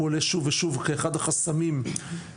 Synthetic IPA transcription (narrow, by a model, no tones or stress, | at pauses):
oleʃuveʃuvkeːχad̪aχasamim